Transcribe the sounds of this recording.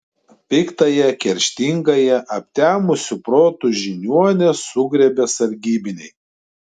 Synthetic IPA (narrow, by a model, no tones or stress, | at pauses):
pʲɪkt̪ɐjɛkʲɛɾʲʃʲt̪ʲiŋɡɐjɛʔɐpʲt̪ʲæːmʊsʲʊpɾoːt̪ʊʒʲɪnʲuɔnʲɛsʊɡɾʲɛbʲɛsɐɾʲɡʲiːbʲɪnʲɛɪ